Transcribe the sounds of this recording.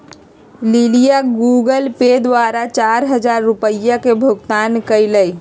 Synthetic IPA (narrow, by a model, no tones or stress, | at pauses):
lilijaɡuɡəlped̪ʋaɾat͡ʃaɾɦəd͡ʒaɾːupəjːakebʱoɡt̪ankəɪləj